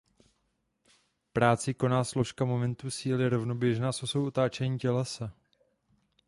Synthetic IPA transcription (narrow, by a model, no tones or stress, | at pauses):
pɾaːt͡sɪko̞naːslo̞ʃkamo̞mɛnt̪usiːlɪɾo̞vno̞bjɛʒnaːsosowʔot̪aːt͡ʃɛɲiːcɛlɛsɛ